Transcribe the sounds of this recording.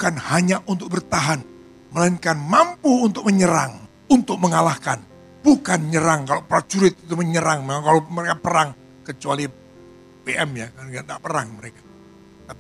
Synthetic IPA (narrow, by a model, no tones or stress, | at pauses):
bukanhaɲaʔunt̪ʊk̚bərt̪aɦan | məlaiŋkanmampuːnt̪ʊk̚məɲəɾaŋ | unt̪ʊk̚məŋalahkan | b̥ukanɲəɾaŋkalopɾat͡ʃuɾɪt̪̚it̪uməɲəɾaŋmemaŋkaloməɾekapəɾaŋ | kət͡ʃuali | peʔɛmjakaandaʔpəɾaŋməɾekḁ | t̪api